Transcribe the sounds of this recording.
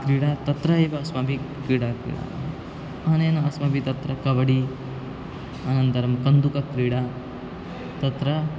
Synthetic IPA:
kɾiːɽaːt̪ɐt̪ɾɐeːʋɐɐsmɐbʱikɾiːɽakɾḭːɽa̰ | ɐneːnɐɐsmɐbʱit̪ɐt̪ɾɐkɐʋɐɽi | ɐnɐnt̪ɐɾɐmkɐnd̪ukɐkɾiːɽa | t̪ɐt̪ɾɐ

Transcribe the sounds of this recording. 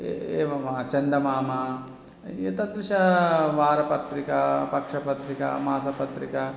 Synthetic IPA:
eːʋɐmɐt͡ʃɐnd̪ɐmaːmɐ | jit̪ɐd̪ɾuʃɐʋaːɾɐpɐt̪ɾikɐpɐkʂɐpɐt̪ɾikɐ̰maːsɐpɐt̪ɾikɐ

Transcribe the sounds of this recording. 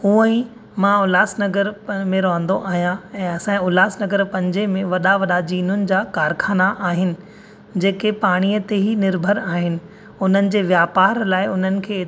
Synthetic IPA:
uːə̃ĩ | mãʊlaːsnɐɡəɾmẽɾɐɦə̃nd̪oʔaːɦijãɛ̃ːɐsãĩʊlaːsnɐɡəɾpɐ̃ɲd͡ʑemẽʋɐɗaʋɐɗad͡ʑiːnʊnɪ̆d͡ʑaːkaːɾkʰaːnaʔaːɦɪnɪ̆ | d͡ʑeːkepaːɽ̃iːət̪eɦinɪɾbʱəɾaːɦɪnɪ̆ | ʊn̤ənɪ̆d͡ʑeːʋjaːpaːɾlaːɪʊn̤ənɪ̆kʰeː

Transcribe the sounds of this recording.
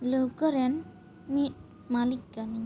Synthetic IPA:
ləwkəɾen | mit̚ | malikɡani

